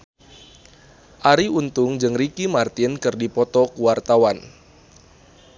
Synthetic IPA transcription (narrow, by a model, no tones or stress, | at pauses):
ʔaɾiunt̪ʊŋd͡ʒɨŋrikimart̪ɪnkɨrdipɔt̪ɔkuwart̪awan